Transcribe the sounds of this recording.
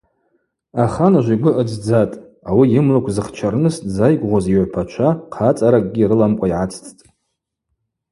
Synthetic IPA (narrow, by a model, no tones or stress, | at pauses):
aχanaʒʷiɡʷʊʔəd͡zd͡zatʼ | awiɪmlukʷʰzɨχt͡ʃʰarnɨstd͡zajɡʷʼʁʷoziʕʷpʰat͡ʃʷʰaqʰat͡sʼaɾakʼɡʲiɾɨlamkʷʼaiʕat͡sʰt͡sʰʼtʼ